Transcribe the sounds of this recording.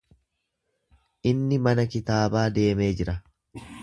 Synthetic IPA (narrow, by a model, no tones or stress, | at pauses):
ʔɪnːɪmɐnɐkɪt̪aːbaːd̪e̞ːme̞ːd͡ʒɪɾɐ